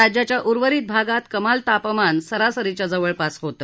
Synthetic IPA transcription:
ad͡ʑjat͡ɕjaʔuɾʋəɾiːt̪̚bʱaɡat̪kəmalt̪apəmansəɾasəɾit͡ɕjad͡zəʋəɭpasɦot̪ə

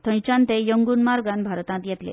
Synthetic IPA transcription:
t̪ʰə̃j̃t͡ɕant̪ejəŋɡunmaɾɡanbʱaɾɔt̪ãt̪jat̪lḛ

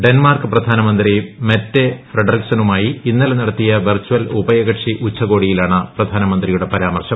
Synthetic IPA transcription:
ɖe̞nmaːrkɨprɐd̪ʱaːnɐmɐnd̪rimetːefriɖɐriksɐnumaːjiinːɐlenɐɽɐt̪ːijɐʋɐrt͡ɕːuʋɐlubɐjɐɣɐʈʂiʔut͡ɕʰːɐɣo̞ːɽijilaːɳɨprɐd̪ʱaːnɐmɐnd̪rijuɽe̞pɐɾaːmɐrɕɐm

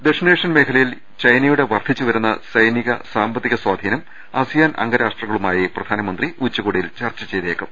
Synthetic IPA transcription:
d̪eʂneːʂɐnme̞ːkʰɐlɐjil | t͡ɕɐjnɐjuɽe̞ʋɐrd̪ʱit͡ɕːuʋɐɾunːɐsɐjniɣɐsaːmbɐt̪ːiɣɐswaːd̪ʱiːnɐm | aːsijaːnʔɐ̰ŋɡɐɾaːʂʈrɐŋːɐɭumaːjiprɐd̪ʱaːnɐmɐnd̪riut͡ɕːɐkoːɽijilt͡ɕɐrt͡ɕːɐt͡ɕe̞jt̪eːkːɐm

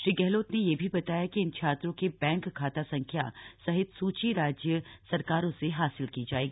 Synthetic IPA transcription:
ʃɾiːɡɛɦloːt̪nejebʱibɐt̪aːjakiɪnt͡ʃʰaːt̪ɾõkebɛ̃ːŋkʰːaːt̪asɐ̃ŋkʰja̰sɐɦɪt̪suːt͡ʃiɾaːd͡ʒjəsɐɾkaːɾõseɦaːsɪlkid͡ʒaːeːɡiː

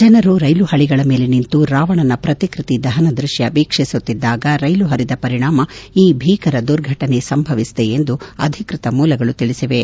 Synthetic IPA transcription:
d͡ʒɐnɐɾuɾɐjluhɐɭiɡɐɭɐme̞ːle̞nint̪uɾaːʋɐɳɐnɐpɾɐt̪ikɾit̪id̪ɐɦɐnɐd̪ɾuʃjɐʋiːkʂisut̪ːid̪ːaːɡɐɾɐjluɦɐɾid̪ɐpɐɾiɳaːmɐiːbʱiːkɐɾɐd̪uɾɡʱɐʈɐne̞sɐmbʱɐʋist̪eend̪uɐ̰d̪ʱikɾit̪ɐmuːlɐɡɐɭut̪iɭisiʋe̞

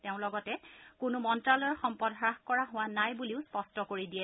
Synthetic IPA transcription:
tɛʊ̃lɔɡɔtɛkʊnʊmɔntɹalɔɹxɔmpɔdɦɹaxkɔɹaɦʊwanajbuliʊspɔstɔkoɹidiɛ

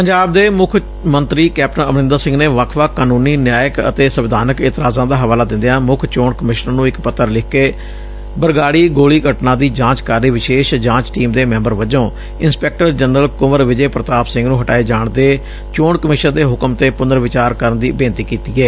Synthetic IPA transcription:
pəɲd͡ʒaːb̚d̪eːmʊkʰ | mənt̪ɾiːkɛːp̚ʈənəmnɪ̃nd̪aːsɪ̃ŋɡneːʋəkʰʋakːaːnũːniːnjaːjəkə̰t̪eːsəʋɪd̪ʱaːnəkɪt̪ɪɾaːzãːd̪aːɦəʋaːlaːd̪ɪ̃nd̪ejãːmʊkʰt͡ʃoːɳkəmɪʃnənũːɪkpət̪ːəɾlɪkʰkeː | bəɾɡaːɽiːɡoːliːkəʈnãːd̪iːd͡ʒãːt͡ʃkaːɾiːʋɪʃeːʃd͡ʒãːt͡ʃʈiːmd̪eːmɛ̃ːmbəɾʋəd͡ʒõː | ɪnspɛːk̚ʈəɾd͡ʒənɾəlkʊməɾʋɪd͡ʒeːpɾət̪aːpsɪ̃ŋɡnũːɦəʈaːeːd͡ʒaːɳd̪eː | t͡ʃoːɳkəmɪʃənd̪eːɦʊkəmt̪eːpʊnəɾʋɪt͡ʃaːɾkəɾənd̪iːbeːnt̪iːkiːt̪iːɛː

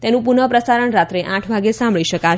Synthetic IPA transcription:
t̪enũpunəpɾəsaɾəɳɾat̪ɾeʔãʈʰbʱaɡesãmbɭiʃəka

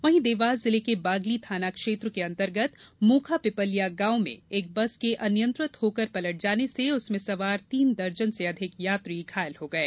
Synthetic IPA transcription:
ʋɐɦĩd̪eːʋaːzːɪlekebaːɡlit̪ʰaːnakʃeːt̪ɾkeɐ̃nt̪əɾɡət̪mũːkʰapɪpəlijaɡãːwmḛ̃eːk̚bɐskeʔɐnjə̃nt̪ɾɪt̪hoːkəɾpɐləʈ̚d͡ʒaːneseʊsmẽsɐʋaːɾt̪iːnd̪ɐɾd͡ʒənseɐd̪ʱɪkjaːt̪ɾiːkʰaːjəlɦoːɡɐeː

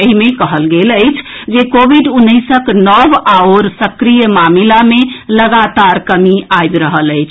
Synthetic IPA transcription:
eɦimekəɦəlɡeləjt͡ʃʰd͡ʒekobiɖunːəjsəknəbaoɾsəkɾijəmamilameləɡat̪aɾkəmiajb̪ɾəɦələɪt͡ʃʰ

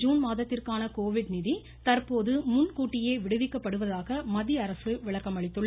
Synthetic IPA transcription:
d͡ʒuːnmaːðɐt̪ːɪrkaːnɐkoːʋɪɽnɪði | t̪ɐrpoːðɯmʊnkuːʈːɪjeːʋɪɽɯʋɪkːɐpːɐɽɯʋɐðaːɣɐmɐðiɐɾɐsɯʋɪɭɐkːɐmɐɭɪt̪ːɯɭːɐ

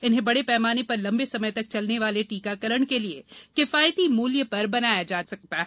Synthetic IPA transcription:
ɪnɦẽbɐɽepɛːmaːnepɐɾlɐ̃mbesɐməjt̪ɐk̚t͡ʃɐlneʋaːleʈiːkakɐɾəɽ̃keliekɪfaːjət̪imuːlijəpɐɾbɐnaːjad͡ʒaːsɐk̚t̪aɦɛ

